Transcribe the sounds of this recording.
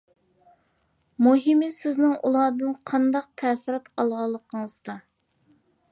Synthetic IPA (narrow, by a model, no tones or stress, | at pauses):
muɦimɪsɪznɪŋʔṵlˠɑːd̪ɨnqʰɑnd̪ɑq̚t̪ʰɛːsɪɾɑt̪ɑlˠʁɑlˠːəqʰəŋəzd̪ɑ